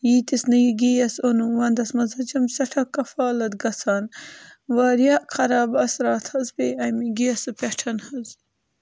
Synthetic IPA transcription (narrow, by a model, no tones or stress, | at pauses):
jiːt̪isnɐjiɡijɐsonuwɐnd̪ɐsmɐzɐt͡ʃɐmsɐʈʰɐkːɐfaːlɐd̪ɡɐsaːnwaːɾjaːʔkʰɐɾaːbɐsɾaːt̪ʰhɐzpeːɐjmiɡijɐsɨpʲeʈʰɐnhɐz